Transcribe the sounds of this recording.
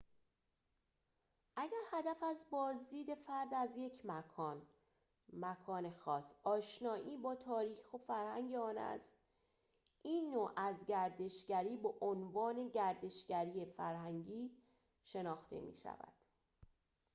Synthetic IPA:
ʔæɟæɾhæd̪æfæzbɒːzd̪iːd̪e̞fæɾd̪æzje̞cʰmækʰːn | mækʰɒːne̞xɒːsɒːʃnɒːʔiːbɒːt̪ʰɒːɾiːxxofæɾhæŋɟeɒːnæ̰st̪ | ʔiːnːoːʔæzɟæɾd̪e̞ʃɟæɾiːbeʔonvɒːne̞ɟæɾd̪e̞ʃɟ̥æɾiːefæɾhæŋɟiː | ʃe̞nɒːxt̪ʰḛmḭːʃæ̰væ̰d̪̥

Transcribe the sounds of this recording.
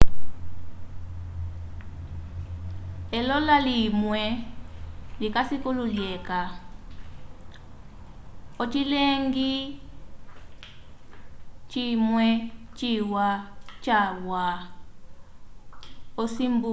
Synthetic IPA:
ɛlɔlalimwɛ | likasikululjɛka | ɔt͡ʃileŋɡi | t͡ʃimwɛt͡ʃiwat͡ʃawa | ɔsimbu

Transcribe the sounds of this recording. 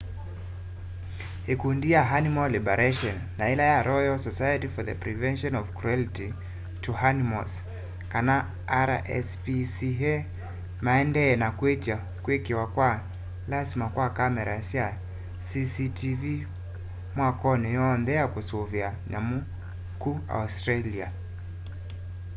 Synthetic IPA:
hikundiaɦanimɔlibɛɾʔaʃɔnːailajaɾʔɔjɔlsɔsajatifɔðə̰pɾivɛnʃɔnɔvkɾuɛliti | tʰuhanimɔ̰s | kana | aɾaʔɛ̰spisiɦɛ | maɛndɛnakwetia | kwekiwakwa | lazimakwakamɛɾaasia | sisitʰivi | mwakɔnijɔnðɛakusɔvianamu | kua̰ustɾalia

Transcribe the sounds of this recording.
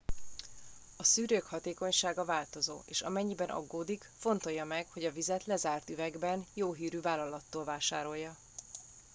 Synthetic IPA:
ɒsyːɾøːkhɒt̪eːko̞ɲʃaːɡɒvaːlt̪o̞zo̰ːeːʃɒ̰mɛɲːibɛnʔɒ̰ɡːoːd̪ik | fo̞nt̪o̞jːɒmɛkho̞ɟɒvizɛt̪lɛzaːrt̪yvɛɡbɛnjoːɦiːɾyvaːlːɒlɒt̪ːoːlvaːʃaːɾo̞jːɒ

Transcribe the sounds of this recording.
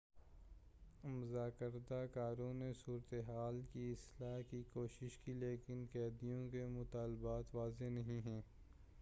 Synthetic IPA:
mʊzaːkəɾd̪akaːɾõːnesuːɾət̪eɦaːlkiɪslaːkikoːʃɪʃkileːkɪnkɛːd̪ijõkemʊt̪aːlbaːt̪ʋaːzenɐɦĩɦɛ̃ː

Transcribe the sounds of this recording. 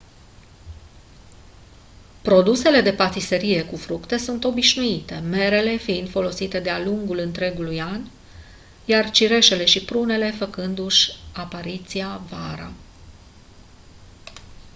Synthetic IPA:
pɾo̞d̪use̞le̞d̪e̞pat̪ise̞ɾije̞kufɾukt̪e̞sunt̪o̞biʃnuit̪e̞me̞ɾe̞le̞fiint̪fo̞lo̞sit̪e̞d̪ealuŋɡulɨnt̪ɾe̞ɡulujan | jart͡ʃiɾe̞ʃe̞le̞ʃipɾune̞le̞fəkɨnd̪uʃʲapaɾit̪siavaɾa̰

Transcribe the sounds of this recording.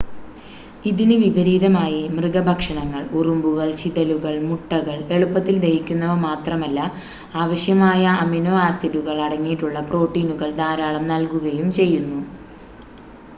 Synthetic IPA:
iðinɨʋibʱɐɾiːðɐmaːjimrɨɣɐbʱɐkʂɐɳɐŋːɐɭurumbuɣɐɭt͡ɕiðɐluɣɐɭmuʈːɐɣɐɭe̞ɭupːɐt̪ːild̪ɐjikʲːunːɐʋɐmaːt̪rɐmɐlːɐ | aːʋɐɕjɐmaːjɐːminoːaːsiðuɣɐɭɐɽɐŋːijiʈːuɭːɐpro̞ːʈːiːnuɣɐɭd̪aːɾaːɭɐmnɐlkuɣɐjumt͡ɕe̞jːunːu

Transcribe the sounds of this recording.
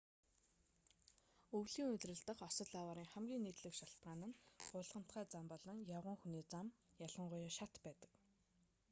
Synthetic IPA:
ɵwɮiːŋɵt̪rɘ̆ɮt̪ə̆qɔsɞ̆t̪ɮaːwaːɾiːŋχæmɡʲiːŋːiːt̪ɮɘ̆kʃaɬt̪ɢaːnə̆nɢʊːɮʁə̆m̥t̪χæːt͡sampɔɮɞ̆ŋjaʁʊ̆ŋxuniːt͡samjaɮə̆ɴɢʊjaːʃat̪pæːt̪ə̥̆k

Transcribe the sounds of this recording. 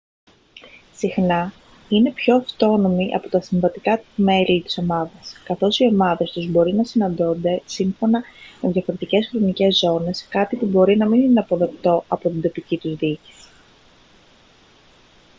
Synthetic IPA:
sixnɐ | ine̞pço̞ɐft̪o̞no̞miʔɐ̰po̞t̪ɐsiɱvɐt̪ikɐme̞lit̪i̥so̞mɐðɐskɐθo̞sio̞mɐðe̞st̪uzbo̞ɾinɐsinɐnd̪ond̪e̞siɱfo̞nɐme̞ðʝɐfo̞ɾe̞t̪ice̞sxɾo̞nice̞zːo̞ne̞skɐt̪ipubo̞ɾinɐminineɐpo̞ðe̞kt̪o̞ɐpo̞t̪ind̪o̞picit̪uzðici̥s

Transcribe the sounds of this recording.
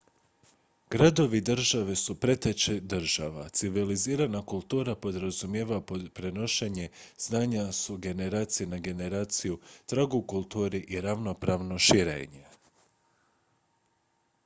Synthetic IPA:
ɡ̥ɾad̪o̞ʋid̪ɾ̩ʒaʋe̞supɾe̞t̪et͡ʃed̪ɾ̩ʒa̰ʋa̰t̪siʋiliziːɾanakulˠt̪uːɾapo̞d̪ɾazumjeːʋappɾe̞no̞ʃe̞ɲe̞z̥naːɲasuɡe̞ne̞ɾaːt̪sijenaɡe̞ne̞ɾaːt̪sijut̪ɾaɡukulˠt̪uːɾiʔiɾaʋno̞pɾaʋno̞ʃiɾḛːɲe

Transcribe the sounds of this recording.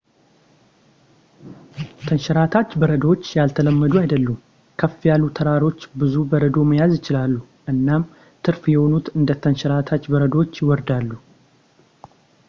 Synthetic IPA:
t̪ʰənʃɛɾat̪ʰat͡ʃːbəɾəd̪əwot͡ʃːjalt̪ʰələmːəd̪uajd̪əlːum | kʰəfjalːut̪ʰəɾaɾo̞t͡ʃːbɨzubəɾəd̪o̞məjazjɪt͡ʃɪlalːu | ʔɨnːam | t̪ʰɨɾfjɛho̞nut̪ɨnd̪ət̪ʰənʃɛɾat̪ʰat͡ʃːbəɾəd̪wot͡ʃːjɪwɔɾd̪alːu

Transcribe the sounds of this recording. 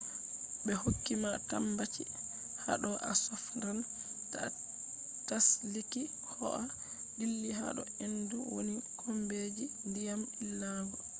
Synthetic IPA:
bɛhokːimatambat͡ʃḭ | ha̰ɗɔʔa̰sɔfɾanta | tasliki | hɔ̰ʔa | dilːiɦa̰ɗɔ̰enduwo̰nikʰɔmbed͡ʒindijamilːaɡɔ

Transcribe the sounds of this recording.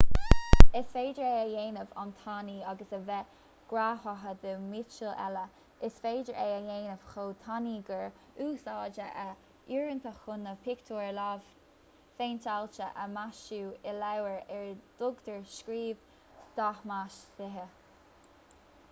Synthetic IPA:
ɪsfeːd͡ʒəɹeːəjeːnəva̰nt̪ʰɑniːɑɡəsəvɛ | ɡ̥ɾaːhaɦəd̪əmit͡ʃəlɛ̰lə | ɪsfeːdəɹʔeːəjeːnəv̥xoːt̪ʰaniːɡəɹ | uːsɑːd͡ʒəʔə | iːɹənt̪ʰəxʊnəpʰɪkt̪ʰoːɹlaːv | feːnt̪ʰalt͡ʃəʔəmaʃuːɪlawəɹɛɹd̪̥ʊɡd̪əɹʃkɾiːv̥ | sd̪̥ahmaʃsɪɦə

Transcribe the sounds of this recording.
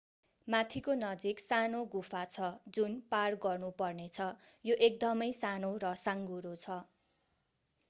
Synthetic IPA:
mat̪ʰikonʌd͡ziksanoɡupʰat͡sʰʌd͡zunparɡʌrnupʌrnet͡sʰʌjoʔek̚d̪ʌmʌjsanoɾʌsaŋɡuɾot͡sʰʌ

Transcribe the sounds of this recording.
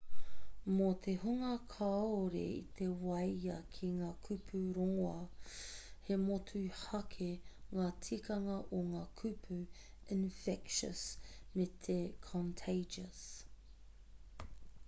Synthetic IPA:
mot̪ʰehuŋɐkʰaoɾḛḭt̪ʰewɐjɐkʰiŋaːkʰʉpʰʉɾoŋoɐ | hemotʰʉhɐkʰeŋaːtʰikɐŋɐʔoŋaːkʰʉpʰʉ | ɪnfɛkʃə̰smet̪ʰekʰɔntʰeɪd͡ʒɐs

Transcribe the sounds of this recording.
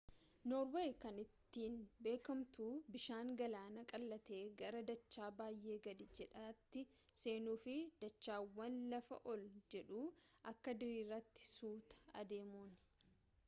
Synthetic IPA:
nɔːɾweːjkɐnɪt̪ːiːnbe̞ːkɐmt̪uːbɪʃaːŋɡɐlaːnɐkʼɐlːɐt̪e̞ːɡɐɾɐd̪ɐt͡ʃːaːbaːjʔe̞ːɡɐd̪ɪd͡ʒɛᶑɐt̪ːɪ | se̞ːnuːfɪd̪̥ɐt͡ʃːaːwːɐnlɐfɐ̰ʔɔld͡ʒɛᶑuːʔɐkːɐd̪ɪɾiːrːɐt̪ːɪ̥suːt̪ɐ̥ɐ̰d̪e̞ːmuːn

